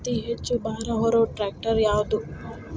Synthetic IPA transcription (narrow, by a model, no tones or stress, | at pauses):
t̪iɦet͡ʃːubʱaːɾɐɦɔɾoːʈɾaːk̚ʈɐɾjaːwd̪u